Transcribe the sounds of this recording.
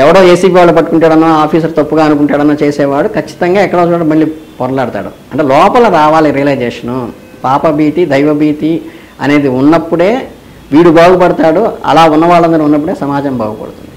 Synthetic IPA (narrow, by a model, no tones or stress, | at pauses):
ɛʋɐɽoːeːsiːpiːʋaːɭːup̬ɐʈːukuɳʈaːɽɐnːoːaːpʰiːs̬ɐɾut̪ɐpːuɡaːɐnukuɳʈaːɽɐnːaːt͡ʃe̞ːsɛːʋaːɽukɐt͡ʃːi̥t̪ɐŋɡaːɛkːɐɽat͡ʃuːɽɐmɐɭlipɔɾɐlaːɽut̪a̰ːɽṵ | ɐɳʈeːlɔːpɐlɐɾaːʋaːlɐɾilɐjd͡ʒeːʂɐnu | paːpɐbiːt̪id̪ʱɐjʋɐbiːt̪i | ɐne̞ːd̪iunːɐpːuɽe̞ː | ʋiːɽubaːɡupɐɽut̪aːɽuɐ̰laːunːɐʋaːɭːɐnd̪ɐɾiunːɐp̬ːuɽe̞ːsɐmaːd͡ʒɐmbʱaːɡupɐ̰ɽut̪und̪i